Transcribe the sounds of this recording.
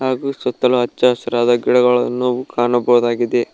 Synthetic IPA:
ɦaːɡusɔt̪ːɐluɐt͡ʃːɐɐsɐɾaːd̪ɐɡiɽɐɡɐɭɐnːoːukʰaːɳɐbɐɦud̪aːɡid̪e

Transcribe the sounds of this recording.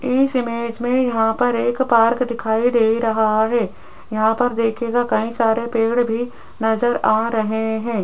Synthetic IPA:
ɪsɪmeːd͡ʒmẽjɐɦãpɐɾeːkpaːɾkd̪ɪkʰaːid̪eːɾɐɦaɦɛː | jɐɦãpɐɾd̪eːkʰeːɡakɐĩsaːɾepeːɽbʱi | nɐzəɾaːɾɐɦeɦɛ̃ː

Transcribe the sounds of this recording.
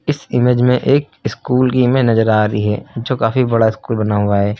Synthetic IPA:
ɪsɪmeːd͡ʒmẽʔeːk | ɪskuːlkimẽnɐzəɾaːɾəiɦɛ̰ːd͡ʒoːkaːfibɐɽaɪskuːlbɐnaɦʊaɦɛː

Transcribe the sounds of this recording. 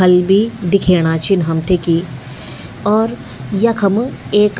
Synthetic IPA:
ɐlbʱid̪ɪkʰeːɽ̃at͡ʃʰinɦɐmt̪ʰeki | ɔːɾ | jɐkʰɐmeːk

